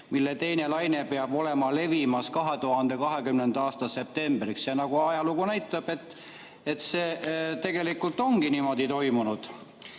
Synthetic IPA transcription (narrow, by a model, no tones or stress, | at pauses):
milːe̞t̪e̞jne̞lɑjne̞peɑb̥o̞le̞mɑle̞vimɑskɑɦe̞t̪uhɑnd̪̥e̞kɑɦe̞kymnend̪ɑɑːst̪ɑse̞p̚t̪e̞mbriksjɑnɑɡ̥uɑjɑluɡunæjt̪ːˑɑb̥e̞t̪ːˑ | et̪seːt̪e̞ɡ̥e̞likːˑult̪ːˑo̞ŋɡinimo̞d̪it̪o̞jmunud̪̥